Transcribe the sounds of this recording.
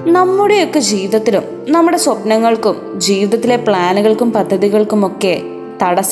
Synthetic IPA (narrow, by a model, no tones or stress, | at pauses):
nɐmːuɽe̞jo̞kːed͡ʑiːʋiðɐt̪ːilum | nɐmːuɽe̞swɐpnɐŋːɐɭkum | d͡ʑiːʋiðɐt̪ːile̞pɭaːnuɣɐɭkumpɐd̪ʱːɐðiɣɐɭkumo̞kːe̞ | t̪ɐɽɐs